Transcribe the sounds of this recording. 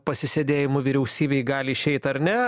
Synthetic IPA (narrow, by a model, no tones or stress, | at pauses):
pɐsʲɪsʲed̪ʲeːjɪmʊʋʲiɾʲɛʊsʲiːbʲeɪɡɑːlʲɪɪʃʲɛɪt̪ɐɾʲnʲɛ